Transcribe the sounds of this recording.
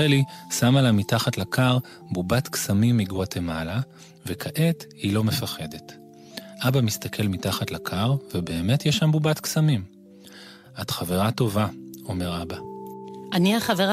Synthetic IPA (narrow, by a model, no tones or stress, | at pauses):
elisamalavmitaχatlakʰaʁ | bubatksamimːiɡatemala | vekʰaʔe̞thilo̞me̞faχe̞de̞t | ʔabamist̪akʰe̞lmitaχatlakʰaʁvebe̞ːme̞tjɛʃambubatksamim | ʔatχave̞ʁato̞vao̞me̞ʁabaʔaniaχaveʁ